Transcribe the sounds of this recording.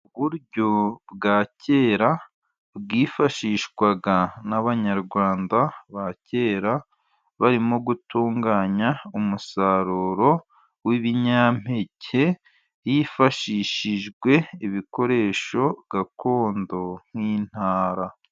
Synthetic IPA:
uβuɾɟo̞bɡaːce̞ːɾa | βɡiːfaʃiːʃkwaɡanaβaɲaɾɡwaːndaβace̞ːɾa | βaɾimoɡutuːŋɡaːɲaumusaɾuɾo̞ | wiβiɲam̥he̞cʰe̞ | jifaʃiːʃiʒɡwe̞iβiko̞ɾe̞ːʃo̞ɡakʰo̞ːndo̞ŋ̥hiːn̥haːɾa

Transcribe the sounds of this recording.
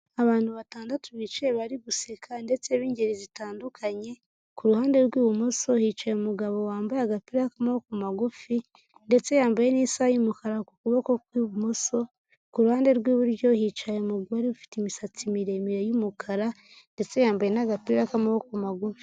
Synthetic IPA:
aβaːn̥huβataːndatuβit͡ʃeeβaɾiɡusekʰande̞t͡se̞βiːɲɟeɾizitaːndukʰaɲe̞ | kuɾuhaːnde̞ɾɡwiːβumoso̞hiːt͡ʃajemuɡaβo̞waːmbajaɡapiɾakamaβokumaɡufi | nde̞t͡se̞jaːmbaje̞nisajumukaɾakukuβoko̞kwiːβumoso̞ | kuɾuhaːnde̞ɾɡwiːβuɾɟo̞hit͡ʃajemuɡaɾiufi̥timisat͡simiɾe̞miɾejumukʰaɾa | nde̞t͡se̞jaːmbajenaɡapiɾakamaβokumaɡufi̥

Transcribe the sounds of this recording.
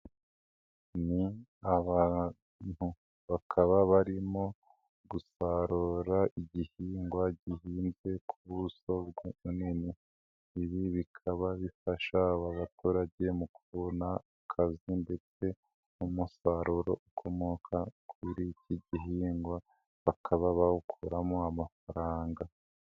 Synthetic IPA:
niaβa | n̥hu | βakʰaβaβaɾimo̞ | ɡusaɾoɾaʔiɟihiːŋɡwaɟihiːnze̞kʰuβuso̞bɡeuniniː | βiβikʰaβaβifaʃaβaβatuːɾaɟe̞mukuβonaakʰazinde̞t͡se̞ | umusaɾuɾo̞̰ukʰo̞mo̞kʰakwiɾiciɟiɦiːŋɡwa | βakʰaβaβahukʰuɾamoamafaɾaːŋɡa

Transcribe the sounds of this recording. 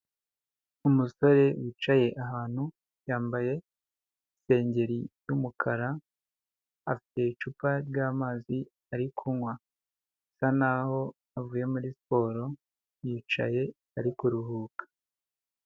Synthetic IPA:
umuso̞ɾe̞wiːt͡ʃaje̞ʔaɦaːn̥hu | jaːmbaje̞ | ise̞ːɲɟe̞ɾijumukʰaɾa | afi̥te̞it͡ʃuːpaɾɟaːmaːzi | aɾikʰunwa | sanaho̞ | avuːje̞muɾisi̥po̞ːɾo̞ | jiːt͡ʃa̰je̞ | aɾikuɾuhuːkḁ

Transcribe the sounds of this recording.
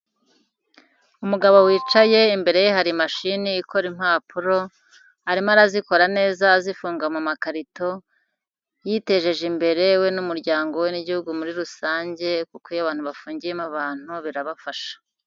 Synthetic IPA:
umuɡaβo̞wiːt͡ʃaje̞imbe̞ɾe̞jeɦaɾimaʃiniːkʰo̞ɾim̥haːpʰuɾo̞ | aɾimaɾaziko̞ɾane̞ːzazifuːŋɡamumakaɾito̞ | jiːte̞ʒe̞ʒimbe̞ɾe̞we̞numuɾɟaːŋɡo̞we̞niɟihuɡumuɾiɾusaːɲɟe̞kukojaβaːn̥huβafuːɲɟije̞maβaːn̥uβiɾaβafaʃḁ

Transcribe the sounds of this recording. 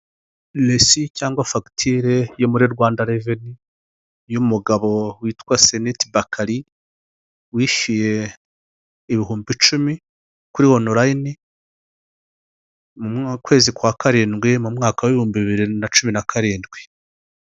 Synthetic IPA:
lesicaːŋɡwafaki̥tʰiɾejomuɾiɾɡwaːndaɾeveni | jumuɡaβo̞wiːtwase̞nitibakʰaɾi | wiːʃije̞ | βiɦuːmbit͡ʃumi | kuɾiwo̞noɾaini | mukwe̞ːzikwakaɾiːnɡwemumŋaːkaweβihuːmbiβiβiɾinat͡ʃuminakʰaɾiːndɡwe̥

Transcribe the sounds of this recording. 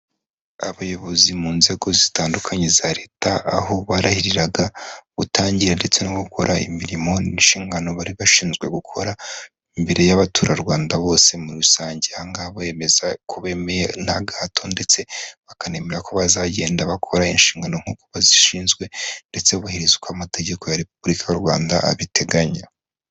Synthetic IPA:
aβajo̞βo̞zimuːnze̞ɡo̞zitaːndukʰaɲe̞zaɾe̞ːtaːho̞βaɾahiɾiɾaɡaβutaːɲɟiɾande̞t͡se̞noɡuko̞ɾaḭmiɾimo̞ninʃiːŋɡano̞βaɾiβaʃiːnzɡwe̞ɡukʰo̞ɾa | imbe̞ɾe̞jaβatʰuːɾaɾɡwaːndaβo̞ːse̞muɾusaːɲɟeaŋɡaβoe̞me̞zakʰuβe̞mejenaɡaːtʰo̞nde̞t͡se̞βakane̞meɾakoβazaɟe̞ːndaβakʰo̞ɾainʃiːŋɡano̞ŋ̥uːkoβaziʃiːnzɡwe̞nde̞t͡se̞uβahiɾizukwamate̞ɟe̞ko̞jaɾe̞p̚ubɾikʰajoɾwa̰ːnda̰a̰βitʰe̞ɡaɲa

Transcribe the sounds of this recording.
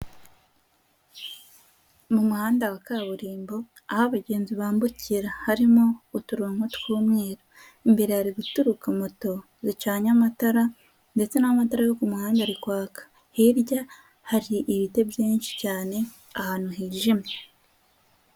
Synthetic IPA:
mumuhaːndawakaːβuɾiːmbo̞ | ahaβaɟe̞ːnziβaːmbucʰiɾahaɾimoːtuɾuaŋ̥hotkuːmŋeːɾa | imbe̞ɾehaɾiɡutuɾukamoto̞ | zit͡ʃaːɲamataɾa | nde̞t͡se̞namataɾajokumuhaːndaɾikwaːkḁ | hiɾɟa | haɾiʔiβite̞bjiːnʃi̥caːne̞ | ahaːn̥huɦiːʒime

